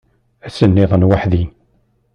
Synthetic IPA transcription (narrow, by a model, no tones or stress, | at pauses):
æsənːɪðˤənwaħðin